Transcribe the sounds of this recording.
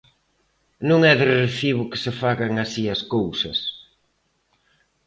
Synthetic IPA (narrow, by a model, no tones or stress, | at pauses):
nũŋɛðɪreθiβʊkɪ̥sɪfaɣaŋasiɐskowsɐ̰s